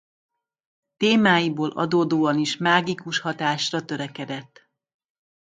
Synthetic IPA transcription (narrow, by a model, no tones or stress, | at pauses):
t̪eːmaːjiboːlʔɒ̰d̪oːd̪oːɒniʃmaːɡikuʃhɒt̪aːʃrɒt̪ø̞ɾɛkɛd̪ɛt̪ː